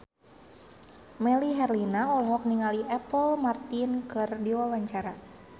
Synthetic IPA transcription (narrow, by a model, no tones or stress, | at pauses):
mɛliɦɛrlinaɔlɔɦɔk̚niŋaliʔɛpəlmart̪inkɨrdiwawaɲt͡ʃaɾa